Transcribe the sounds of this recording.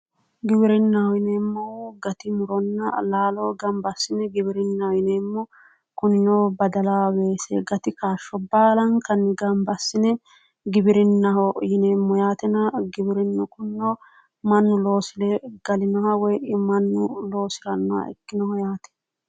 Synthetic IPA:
ɡɪbɪɾɪnːɐwɔjɪneːmːɔwɡɐt̪ɪmʊɾɔnːɐlaːlɔːɡɐmbɐsːɪnɛɡɪbɪɾɪnːɐjɪneːmːɔ | kʊnːɔbɐd̪ɐlaːbeːsḛɡɐt̪ɪkaːʃːɔbaːlɐŋkɐnːɪɡɐmbɐsːɪnɛ | ɡɪbɪɾɪnːɐɦɔjɪneːmːɔjaːt̪ɛnɐɡɪbɪɾɪnːɔkʊnːo | mɐnːʊlo̞ːsɪlɛɡ̥ɐlɪnɔwɐwɔjʔɪmɐnːʊloːsɪɾɐnːɔwa̰ɛ̰kːɪnɔhɔjaːt̪ɛ̥

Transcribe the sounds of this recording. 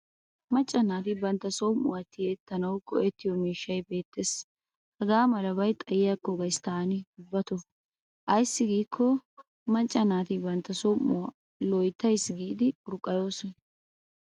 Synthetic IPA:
mɐt͡ʃʼːɐnaːt̪ɪbɐnt̪ːɐsɔmːʊwɐt̪ːɪjeːt̪ːɐnɐwkɔʔɛt̪ːɪjɔmiːʃːɐjbe̞ːt̪ːeːs | hɐɡaːmɐlɐbɐjt̪ʼɐjɪjakːɔɡɐjst̪aːnɪɡʊbːɐt̪ɔ | ʔɐjsːɪɡiːkʰːɔ | mɐt͡ʃʼːɐnaːt̪ɪbɐnt̪ːɐsɔmːʊwɐ | lɔjt̪ːɐjsɡiːd̪ɪʊɾʊkʼːɐjo̞ːsɔn

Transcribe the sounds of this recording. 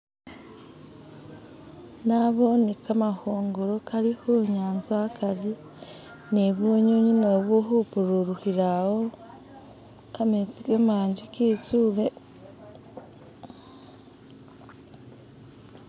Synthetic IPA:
naβonekamahoːŋɡoɾokaɾihoɲaːnzaakaɾi | neβoɲoɲinoβuɦupuɾuɾuhiɾawo | kamet͡sikemaːɲɟikit͡suːle

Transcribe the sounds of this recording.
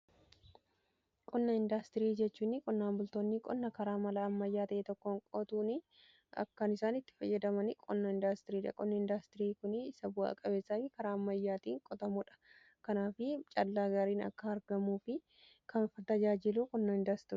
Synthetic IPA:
kʼɔnːɐɪnd̪aːst̪ɪɾiːd͡ʒɛt͡ʃːuːnːɪkʼɔnːaːmbʊlt̪oːnːikʼɔnːɐkɐɾaːmɐlɐːmːɐjːaːt̪ɐʔet̪ɔkːoŋkʼɔt̪uːnɪ | ɐ̰kːɐnɪsaːnɪt̪ːɪ̥fɐjːɐd̪ɐmɐnɪkʼɔnːɐɪnd̪aːst̪ɪɾiːᶑɐkʼɔnːɐɪnd̪ast̪ɪɾiːkʊnɪsɐbʊa̰kʼɐbeːsːɐfɪkɐɾaːɐmːɐjːaːt̪iːŋkʼɔt̪ɐmʊᶑɐ̥ | kɐnaːfɪt͡ʃʼɐlːaːɡaːɾiːnɐ̰kːɐːɾɡɐmuːfɪ | kʰɐnfɐt̪ɐd͡ʒaːd͡ʒɪluːkʼɔnːɐɪnd̪ast̪ɪɾː

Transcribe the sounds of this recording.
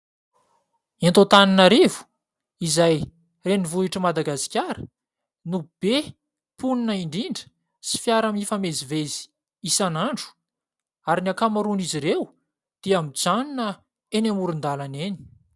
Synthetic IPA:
ent̪ot̪aninaɾivu̥ | izaj | renivuiʈ͡ʂəmad̪aɡasi̥kʲaɾə̥ | nub̥e | puninəiɳɖ͡ʐiɳɖ͡ʐə̥ | si̥fjaɾamifamezivezi̥ | isanaɳɖ͡ʐu̥ | aɾiniakamaɾuniziɾew | d̪̥eamid͡zaninə | enamuɾund̪alaneni̥

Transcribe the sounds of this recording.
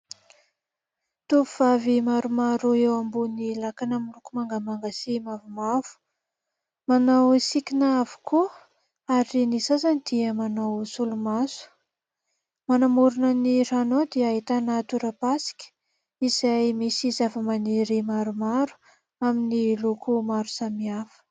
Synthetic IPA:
t̪uuv̥avimaɾumaɾuewambunilakanamilukumaŋɡamaŋɡasimavumav̥u̥ | manawsikʲinaavu̥kʰu | aɾinisazanid̪̥iəmanawsulumazu̥ | manamuɾunəniranod̪iəɦit̪anat̪uɾapasi̥kʲə̥ | iz̥ajmisizafəmaniɾimaɾumaɾu̥ | aminilukumaɾusamiafə̥

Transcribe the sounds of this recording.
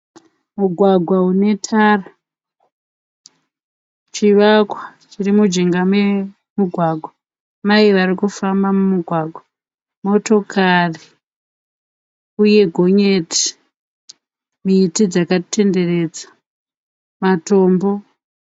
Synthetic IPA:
muɡʱwaɡʱwaune̞tʰara | t͡ʃiʋakwat͡ʃirimud͡ʒiŋɡame | muɡʱwaɡʱwa | maiʋaɾikufambamumuɡʱwaɡʱwa | mo̞to̞kʰari | uje̞ɡʱo̞ɲe̞ti̥ | miːtid͡zakate̞nde̞re̞ːd͡zḁ | mato̞ːmbo̞

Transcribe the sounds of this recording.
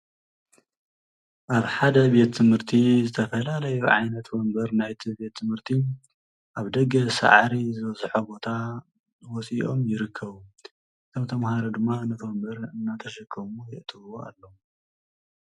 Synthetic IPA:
ʔaβħad̪ɐbe̞t̪ʰːɨmhɨɾt̪ʰizɨt̪ʰɐfɐlalɐjuʕa̰jnɐt̪bɐmbɐɾnajt̪ʰibe̞t̪ʰːɨmhɨɾt̪ʰi | ʔaβd̪ɐɡɐsa̰ʕɾizɨβɐzħobo̞t̪ʰa | wɔsiʔo̞mjɪɾɨkʰːɐβu | ʔɨt̪ʰomt̪ʰɐmhaɾod̪ɨmːaɨnɐt̪ʰwɔmbɐɾɨnːat̪ʰɐʃɐkʰːɐmujɪʔt̪ʰɨβɨwoa̰lːo

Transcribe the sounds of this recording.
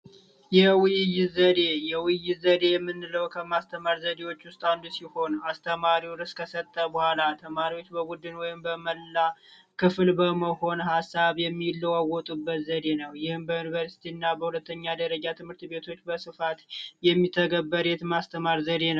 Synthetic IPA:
jɛwɨjɪjɪzəd̪e̞jɛwɪjːɪt̪zəd̪e̞jɛmːɨnːɨləwkʰəmast̪ʰəmaɾzəd̪e̞wo̞t͡ʃːwʊst̪ʼand̪usiho̞nast̪ʰəmaɾiwɾɨskʰəsət̪ʼːəbəhʷalat̪ʰəmaɾiwo̞t͡ʃːbəbud̪ɨnwɔjɪmbəməlːa | kʰɨflbəməho̞nhasːaβjɛmːilːəwawɔt̪ʼubːət̪zəd̪e̞nəwjɪhɨmbəjunivəɾsi̥t̪ʰiɨnːabəhulət̪ːəɲːad̪əɾəd͡ʒat̪ʰɨmhɨɾt̪be̞t̪ʰo̞t͡ʃːbəsɨfat̪jɛmːit̪ʰːəɡəbːəɾɛt̪mast̪ʰəmaɾzəd̪e̞nəw

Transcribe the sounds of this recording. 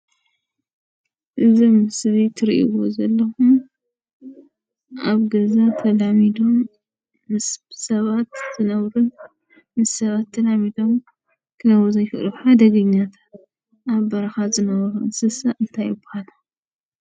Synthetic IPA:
ʔɨzimɨsβit̪ʰɨɾiʔḭwozɐlːɐxum | ʔaβɡɐzat̪ʰɐlamid̪o̞mː | ɨssɐβat̪z̥ɨnɐβɾun | mɨsːɐβat̪ʰːɐlamid̪o̞m | kʰɨnɐwuzɐjfɨʔluħad̪ɐɡɐɲːat̪ʰḁt̪̚ | ʔaβbɐɾɐxazɨnɐβɐɾuɨsɨsaʔɨnt̪ʰajɨbʊ̥halɐ

